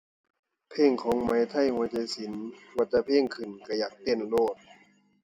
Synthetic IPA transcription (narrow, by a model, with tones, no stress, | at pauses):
pʰeː˧˥˩ŋkʰɔː˨˦ŋma˨˦jt̪ʰa˥˩jhu˧˦ət͡ɕa˧˩jsi˩˦nwa˧˩t͡ɕːa˧pʰeː˧˥˩ŋkʰɯ˨˩nka˧˩jaː˨˩k̚t̪e˧˥˩nloː˥˩t̪̚